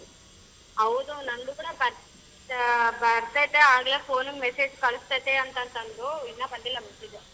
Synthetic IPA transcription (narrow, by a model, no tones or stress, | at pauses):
ɐʋd̪unɐnd̪ukuːɽɐbɐɾ | bɐɾt̪ɐjt̪ːeaːɡlepʰoːnumeseːd͡ʒkɐɭust̪ɐjt̪eɐnt̪ɐnt̪ɐnd̪uinːɐpɐnd̪ilːɐmɐt̪id͡ʒe